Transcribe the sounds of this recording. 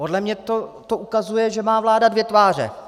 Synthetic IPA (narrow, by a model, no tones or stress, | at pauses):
podlɛmɲɛt̪ot̪oʔukazujɛʒɛmaːvlaːdadvjɛt̪vaːr̝ɛ̰